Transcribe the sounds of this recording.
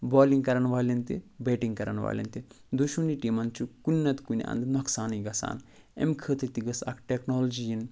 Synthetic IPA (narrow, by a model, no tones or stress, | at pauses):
boːliŋɡkɐɾɐnʋaːlʲɐnt̪ibeːʈiŋkɐɾɐnʋa̰ːlʲɐ̰nt̪i | d̪oʃuniʈimɐnt͡ʃʰukunʲːɐt̪kunʲiɐ̰̃nd̪noksaːniɡɐsa̰ːn | ḛmkʰəːt̪it̪iɡɐsɐ̰kʰʈeknoːld͡ʒijin